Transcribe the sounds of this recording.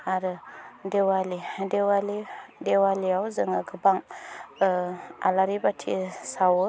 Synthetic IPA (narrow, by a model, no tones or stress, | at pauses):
aɾɨdewalidewalidewaliawzəŋəɡəbaŋ | a̰laɾibatʰḭsawə